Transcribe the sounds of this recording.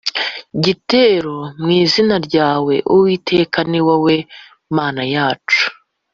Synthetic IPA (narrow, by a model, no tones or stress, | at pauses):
ɟiteːɾomŋiːzinaɾɟaːwe̞̰ʔuwiːtʰe̞kaniwawe̞ | maːnajaːt͡ʃu̥